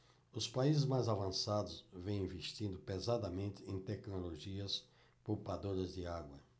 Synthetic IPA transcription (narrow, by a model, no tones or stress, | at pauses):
ʊspaizɪzmajzavɐ̃sad̪ʊsvẽj̃ĩveʃt̪ĩnd̪ʊpezad̪ɐmẽnt̪ɪẽj̃t̪ɛknoloʒiɐs | powpad̪oɾɐzd̪ɪaɡwɐ